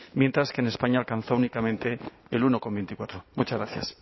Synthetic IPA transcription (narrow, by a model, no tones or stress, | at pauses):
mje̞nt̪ɾaske̞ːne̞spaɲaːlkan̟θounikamẽ̞nt̪e̞ːlunoko̞mbent̪ikwat̪ɾo̞mut͡ʃazɣɾaθja̰s